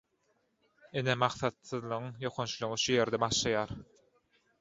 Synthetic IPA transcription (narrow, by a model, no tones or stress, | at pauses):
inemɑχθɑt̪sɯðlˠɯʁɯŋjo̞qʰont͡ʃlˠuʁiʃuje̞ɾd̪ebɑʃlˠɑjɑːɾ